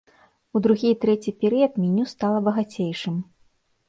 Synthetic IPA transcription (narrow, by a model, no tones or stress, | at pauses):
ud̪ɾuɣʲijt̪ɾɛt͡sʲipʲɛɾɨjɐd̪mʲinʲust̪alˠɐbɐɣat͡sʲejʂɨm